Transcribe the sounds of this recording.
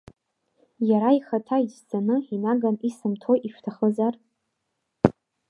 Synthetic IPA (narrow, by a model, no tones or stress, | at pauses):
jaɾaiχatʰaizd͡zanɨinaɡanisɨmtʰojʔiʃᶣtʰaχəzar